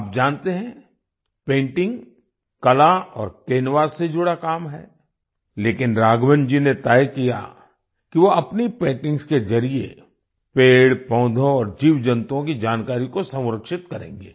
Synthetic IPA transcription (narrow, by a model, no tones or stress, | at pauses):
ap̚d͡ʒaːnt̪eɦɛ̃ | pẽːɳʈɪ̃ŋɡ | kɐlaɔːɾkeːnʋaːɾsed͡ʒʊɽakaːmɦɛ̰ː | leːkɪnɾaːɡʋənd͡ʒinet̪aːjkija̰ | kiʋoɐpnipẽːʈɪ̃ŋskezɐɾiḛ | peːɽpɔ̃ːd̪ʱõɔːɾd͡ʒiːʋd͡ʒə̃nt̪õkid͡ʒaːnkaːɾikosɐ̃wʊɾəkʃɪt̪̚kɐɾḛ̃ːŋɡḛː